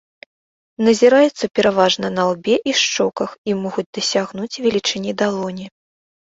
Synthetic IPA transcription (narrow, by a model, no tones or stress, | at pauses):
nɐzʲiɾajɛt̪sɐpʲɛɾavaʐnɐnalˠbʲɛʔiʂt͡ʂɔkɐximɔɣud͡zʲd̪ɐsʲaɣnut͡sʲvʲɛlʲit͡ʂɨnʲid̪alˠɔnʲi